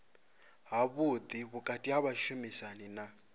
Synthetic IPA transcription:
ɦaβud̪iβukʼatʼiɦaβaʃumisanina

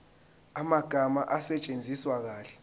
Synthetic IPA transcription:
amaɡ̥ʱamaʔasɛt͡ʃʼend͡zʱiswak̬aːɬɛ̥

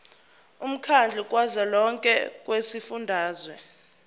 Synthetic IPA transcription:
um̩kʰand͡ɮʱukʼwazalɔŋkʼɛ̰kʼwesifundʱaːzwɛ

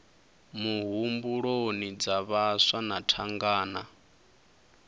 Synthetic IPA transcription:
muɦumbuɺonid͡zaβasanatʰaŋɡaːna

